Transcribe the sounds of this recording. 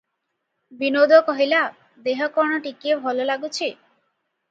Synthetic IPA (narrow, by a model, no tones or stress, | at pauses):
binod̪ɔkɔɦila | d̪eɦɔkɔɾɳɔʈikiebʱɔlolaɡut͡ɕʰi